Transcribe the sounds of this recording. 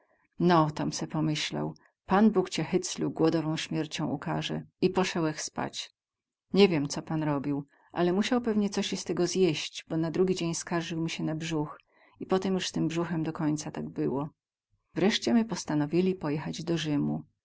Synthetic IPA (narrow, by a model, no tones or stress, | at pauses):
nɔt̪ɔmsɛpɔmɘɕla̰w | panbukt͡ɕɛxɘt̪slub̚ɡwɔd̪ɔvɔ̃w̃ɕmʲjɛɾt͡ɕɔ̃w̃ṵkaʐɛ̰ipɔʂɛwɛxspa̰t͡ɕ | ɲɛvʲjɛmt̪sɔpanɾɔbʲiw | ʔa̰lɛmuɕawpɛvɲɛt̪sɔɕst̪ɛɡɔzjeɕt͡ɕbɔnad̪ɾuɡʲid͡ʑeɲskaɾʐɘwmʲiɕɛnabʐux | ipɔt̪ɛmjuʂst̪ɘmbʐuxɛmd̪ɔkɔɲt̪sat̪aɡbɘwɔ | vɾɛʂt͡ɕɛmɘpɔst̪anɔvʲilʲipɔjɛxad͡ʑd̪ɔʐɘmu